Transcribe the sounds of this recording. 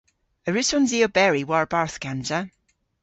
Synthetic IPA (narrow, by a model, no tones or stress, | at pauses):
əɹʉsɔnziobɛɹiwaɹbaɹθkand͡ʒə